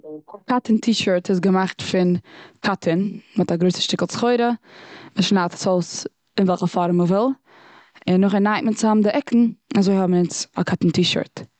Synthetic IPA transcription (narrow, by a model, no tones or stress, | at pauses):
akʰatəntʰiːʃəɾtʰɪsɡəmaχtfɪnkʰatʰənmɪtaɡɾoɪsə̥ʃtɪkl̩ˠt͡sχoɪɾəmɪʃnatsols | ɪnvɛlˠχəfɔɾməvɪlˠ | ɪnːʊχɛnːaɪtmənt͡sɪamdɪʔɛkʰn̩nazoɪhɔbm̩nɪt͡sa̰kʰatn̩tiːʃə̰ɾt